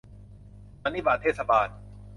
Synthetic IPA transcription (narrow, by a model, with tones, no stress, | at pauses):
ma˧ni˦˥ʋaː˨˩t̪ʰeː˥˩t̪sa˧baː˧n